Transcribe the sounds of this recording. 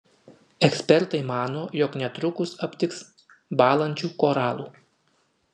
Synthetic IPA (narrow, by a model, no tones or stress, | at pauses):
ɛksʲpʲɛɾt̪ɐɪmɑːnoːjɔknʲɛt̪ɾʊkʊsɐpʲt̪ʲɪks | bɑːlˠɐnʲt͡ʃʲuːkoːɾɑːlˠuː